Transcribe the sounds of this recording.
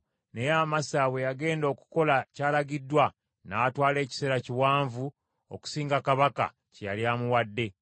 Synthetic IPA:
ne̞jaːmasawe̞jaɡe̞ːndo̞ːku̥ko̞lacaːlaɡidːwa | naːtwaːle̞ːci̥se̞ːɾaciwaːɱvu | o̰ku̥siːŋɡakaβaka̰ | ceja̰ljaːmuwadːe̞

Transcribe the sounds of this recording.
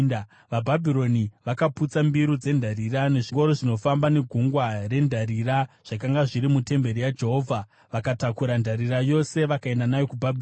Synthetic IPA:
ʋabʱabʱiɾo̞niʋakaput͡sambiɾud͡ze̞ndʱaɾirane̞ʐiŋɡo̞ɾoʐino̞fambane̞ɡʱuŋɡware̞ndʱaɾiraʐ̥akaŋɡaʐiɾimute̞mbe̞ɾijad͡ʒe̞ɦo̞ːvʱa | ʋakatakuɾandʱaɾirajo̞se̞ʋakae̞ndanajo̞kubʱabʱ

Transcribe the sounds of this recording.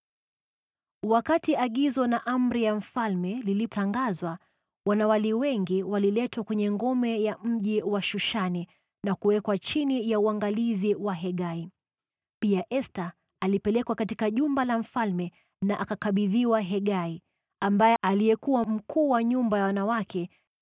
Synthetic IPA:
wakatiʔaɠizɔnaʔam̩ɾijaɱ̩falmɛlilitaŋɡazwa | wanawaliwɛŋɡiwalilɛtwakwɛɲɛŋɡɔmɛjam̩ʄiwaʃuʃani | nakuwɛkwat͡ʃinijauaŋɡaliziwaɦɛɠai | piaʔɛsta | alipɛlɛkwakatikaʄumbalaɱ̩falmɛ | naʔakakaɓiðiwaɦɛɠai | ambajɛalijɛkuwam̩kʰuːwaɲumbajawanawakʰɛ

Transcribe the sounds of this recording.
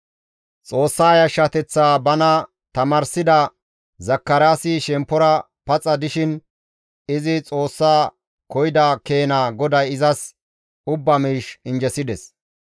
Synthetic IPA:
t͡sʼo̞ːsːaːjɐʃɐt̪ɛt͡sːaːbɐnɐ | t̪ɐmaːɾsɪd̪ɐ | zɐkːɐɾaːsiʃɛmpːɔɾɐ | pɐt͡sʼːɐd̪ɪʃɪn | ɪzɪt͡sʼoːsːaː | kɔjɪd̪akeːnaːɡɔd̪ɐjɪzɐs | ʊbːɐmiːʃɪnd͡ʒɛsɪd̪ɛs

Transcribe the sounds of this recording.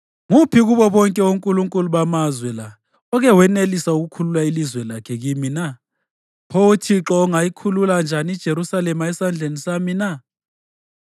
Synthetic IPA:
ŋupʰiɣuβɔβɔŋkʼɛoŋkʼuluŋkʼuluɓamazwɛla | ɔɣɛwɛnelisauɣukʰululailizwɛlakʰɛɣimina | pʰotʰiǁɔːŋajikʰululand͡ʒʱanid̥ʒ̥ʱeɾusalɛmaɛsand͡ɮʱenisamina

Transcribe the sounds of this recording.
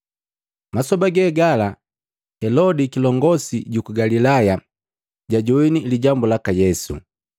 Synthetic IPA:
masɔbaɡɛɡala | hɛlɔdikilɔŋɡɔsiɟukuɡalilaja | ɟaɟɔiniliɟambulakajɛsṵ

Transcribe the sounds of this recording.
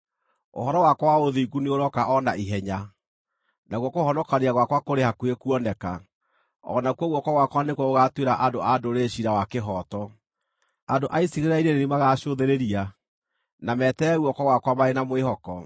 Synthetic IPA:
o̰ɦɔɾɔwakɔwaoðiɡuneoɾɔkaʔɔnaiɦɛɲa | naɣwɔkohɔnɔkaɾeaɣwakwakoɾehakwekuɔnɛka̰ | ɔ̰nakwɔɣuɔkwɔɣwakwanekwɔoɣatweɾaʔadoʔadoɾeɕiɾawakeɦɔːtɔ | adoʔaisiɣeɾeɾaiɾenenimaɣaɕoðeɾeɾia | namɛtɛuɔkɔɣwakwamaɾenamoeɦɔkɔ

